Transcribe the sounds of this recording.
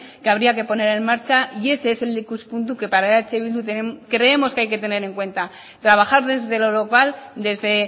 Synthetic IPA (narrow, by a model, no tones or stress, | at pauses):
keaβ̞ɾiake̞po̞ne̞ɾe̞mmaɾt͡ʃaʔie̞seselikuspunt̪uke̞paɾaeɾat͡seβild̪ut̪ekɾe̞ːmo̞skeajke̞t̪e̞ne̞ɾe̞ŋkwe̞nt̪a | t̪ɾaβ̞axaɾðe̞zðe̞lo̞lo̞kald̪e̞zðe̞